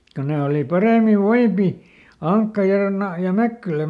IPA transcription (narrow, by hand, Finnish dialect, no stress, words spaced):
ko ne oli pɑreˑmiʋ̆ ʋoipi ɑŋkːɑ jɑ nɑ jɑ mækːylæ